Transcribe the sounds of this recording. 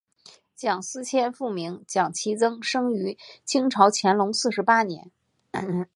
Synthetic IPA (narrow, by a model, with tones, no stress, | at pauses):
t͡ɕjɑ˨˩ŋsɹ̩˥t͡ɕʰjɛ˥nfu˥˩mi˧˥ŋt͡ɕjɑ˨˩ŋt͡ɕʰi˧˥t͡sɤ˥ŋʂɤ˥ŋy˧˥t͡ɕʰi˥ŋʈ͡ʂʰɑ˧˥ʊt͡ɕʰjɛ˧˥nlʊ˧˥ŋsɹ̩˥˩ʂɻ̩˧˥pa˥njɛ̰˧˥n